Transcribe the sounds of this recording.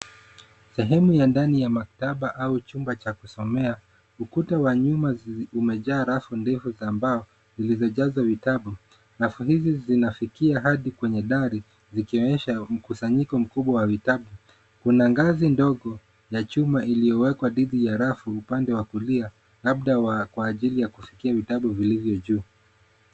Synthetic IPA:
sɛɦɛmujandanijamaktaɓaʔaut͡ʃumbat͡ʃakusɔmɛa | ukutawaɲumaumɛʄaːɾafundɛfuzaːmbaɔ | zilizɔʄazwavitaɓu | ɾafuɦizizinafikiaɦaɗikwɛɲɛɗaɾi | zikiɔɲɛʃam̩kusaɲikɔm̩kuɓwawavitaɓu | kunaŋɡazindɔɠɔ | jat͡ʃumaʔilijɔwɛkwaɗiðijaɾafuupandɛwakulia | laɓ̚ɗawakwaːʄilijakufi̥kiavitaɓuvilivjɔʄuː

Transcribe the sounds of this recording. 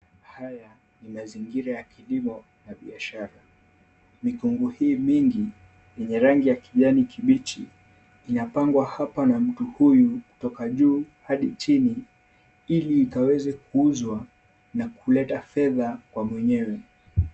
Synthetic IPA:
haja | nimaziŋɡiɾajakilimɔ | naɓiaʃaɾa | mikuŋɡuhiːmiŋɡi | jɛɲɛɾaŋɡijakiʄanikʰiɓit͡ʃiː | napaŋɡwahapanam̩tuhujuku̥tɔkaʄuːhaɗit͡ʃini | iliːkawɛzɛkuuzwa | nakulɛtafɛðakwamwɛɲɛwɛ

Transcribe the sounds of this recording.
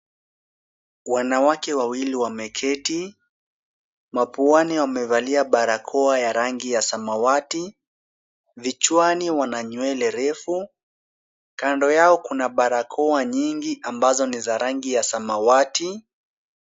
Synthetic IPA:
wanawakɛwawiliwamɛkʰɛti | mapuaniwamɛvaliaɓaɾakʰɔajaɾaŋɡijasamawati | vit͡ʃwaniwanaɲwɛlɛɾɛfu | kandɔjaɔkunaɓaɾakʰɔaɲiŋɡiʔambazɔnizaɾaŋɡijasamawati

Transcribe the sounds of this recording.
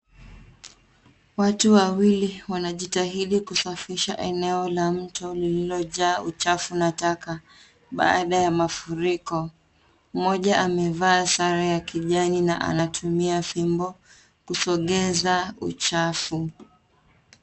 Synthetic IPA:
watuwawiliwanaʄitaɦiɗikusafiʃa̰ʔɛnɛɔlam̩tɔlililɔʄaːut͡ʃafunataka | ɓa̰aɗajamafuɾikɔ | mɔʄaʔamɛvaːsaɾajakiʄanina̰ʔa̰natʰumiafimbɔ | kusɔɠɛzaṵt͡ʃafu

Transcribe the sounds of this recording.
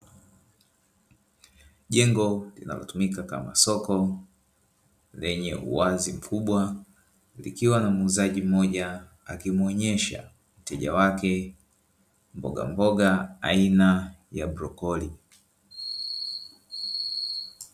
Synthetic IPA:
ʄɛŋɡɔlḭna̰lɔ̰tumikakamasɔkɔ | lɛɲɛʔṵazim̩kʰuɓwa | lḭkiwanamuzaʄim̩ɔʄa | akimwɔɲɛʃa̰ | m̩tɛʄawakɛ | m̩bɔɡa̰mbɔɡaːinajabɾɔkɔli

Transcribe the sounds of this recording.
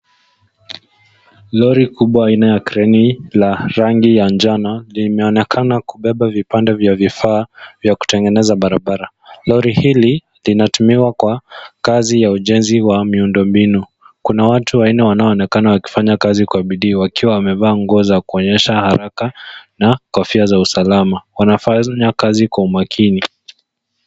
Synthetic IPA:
lɔɾikuɓwaːinajakɾɛnilaɾaŋɡijand͡ʒanalimɛɔnɛkʰanakuɓɛɓavipandɛvjavifaːvjaku̥tɛŋɡɛnɛzaɓaɾaɓaɾa | lɔɾihili | linatumiwakwakazijauʄɛnziwamiundɔmbinu | kunawatuwainɛwanaɔːnɛkanawaki̥faɲakazikwaɓiɗiːwakiwawamɛvaːŋɡɔzakuɔɲɛʃahaɾʔakanakafiazausalamawanafaɲakazikwaumakʰini

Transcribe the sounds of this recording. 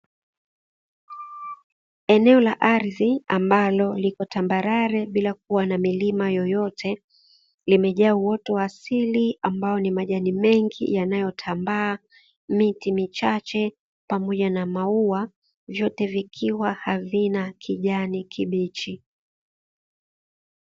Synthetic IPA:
ɛnɛɔlaʔaɾiðiambalɔlikɔtambaɾaɾɛɓilak̚uwanamilimajɔjɔtʰɛ | limɛʄauwɔtuasiliambaɔnimaʄanimɛŋɡḭjanajɔtʰambaː | mitimit͡ʃat͡ʃɛ | pamɔʄanamaua | vjɔtɛvikʰiwahavinakʰiʄanikʰiɓit͡ʃi

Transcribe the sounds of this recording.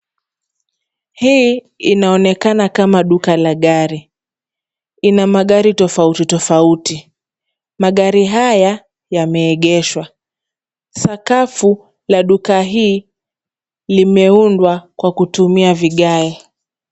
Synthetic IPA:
hiː | inaɔnɛkanakamaɗukalaɠaɾi | inamaɠaɾitɔfautitɔfauti | maɠaɾiɦaja | jamɛːɠɛʃwa | sakafu | laɗukaɦiː | limɛundwakwakutumiaviɠaɛ

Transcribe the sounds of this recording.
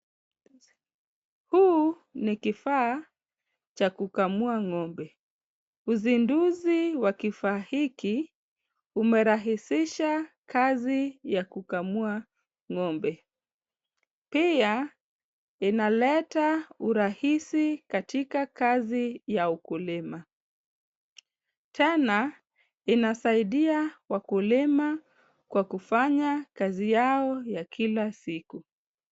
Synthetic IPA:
huː | nikifaː | t͡ʃakukamuaŋɔmbɛ | uzinduziwakifaːhiki | umɛɾaɦisiʃakʰazijakukamua | ŋɔmbɛ | pia | inalɛtauɾahisikatikakazijaukulima | tʰɛna | inasaiɗiawakulima | kwakufaɲakazijaɔjakʰilasiku

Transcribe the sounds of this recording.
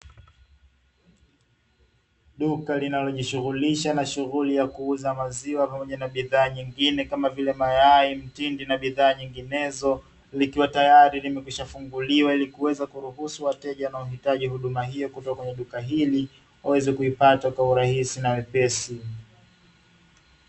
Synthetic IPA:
ɗukalinalɔʄiʃuɣuliʃanaʃuɣulijakuuzamaziwapamɔʄanaɓiðaːɲiŋɡinɛkamavilɛmajaim̩tindinaɓiðaːɲiŋɡinɛzɔ | likiwatajaɾilimɛkuʃafuŋɡuliwailikuwɛzakuɾuɦusuwatɛʄanaahitaʄihuɗumaɦijɔkutakwɛɲɛɗukaɦili | wawɛzɛkuipatakwauɾahisinawɛpɛsi

